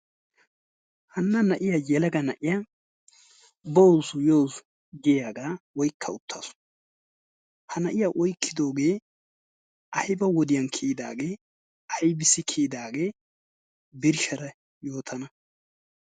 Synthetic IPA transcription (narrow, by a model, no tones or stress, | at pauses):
hɐnːɐnɐʔɪjajɛlɐɡɐnɐʔɪja | bowsʊjowsʊ | ɡɪjaːɡaːwɔjkʰːɐʊt̪ʰːa̰ːsʊ̥ | hɐnɐʔɪjaʔɔjkːɪd̪o̞ːɡe̞ː | ʔɐjɪbɐwɔd̪ɪjɐnkʰiːd̪a̰ːɡe̞ː | ʔɐjbɪsːɪkʰiːd̪aːɡe̞ː | bɪɾʃɐɾɐ | jo̞ːt̪ʰɐnɐ